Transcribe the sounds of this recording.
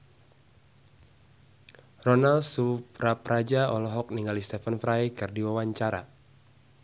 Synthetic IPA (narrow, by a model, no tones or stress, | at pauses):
rɔnalsupraprad͡ʒaɔ̰lɔɦɔk̚niŋalist̪ɛfanfɾajkɨrdiwawaɲt͡ʃaɾa̰